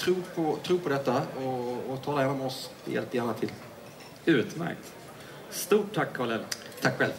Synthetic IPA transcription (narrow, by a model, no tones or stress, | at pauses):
t̪ʰɾuːɾpʰɔt̪ʰɾuːɾpʰɔd̪ɛt̪ːaɔːt̪ʰɑːlaɛnːɔmɔs | ɛ̰jʔɛ̰lpːjæːɳat̪ʰɪl | ʉ̟ːt̪mæ̰ɾk̚t̪ | st̪uːʈʰːakʰːɑːlɛlt̪ʰakːɧɛl